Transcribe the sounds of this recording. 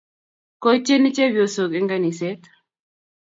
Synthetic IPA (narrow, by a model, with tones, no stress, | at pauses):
ko˦t͡ʃːe˦ni˦t͡ʃe˦bjo˨so˨ki˦ŋɡa˦ni˨se˦t̪